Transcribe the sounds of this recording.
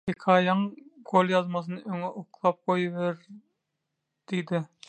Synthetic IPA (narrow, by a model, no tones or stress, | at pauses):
ekʰɑːjɑŋɡ̥olˠjɑzmɑθ̬ɯnɯøŋeʔoqʰlˠɑːp̚qojβeɾ | d̪̥ijd̪ɪ